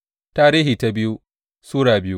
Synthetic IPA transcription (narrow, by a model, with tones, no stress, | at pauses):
taː˦ɾiː˦ɦiː˨ta˦bɪ˦ju˦ | suː˦ɽaː˨bɪ˦ju˦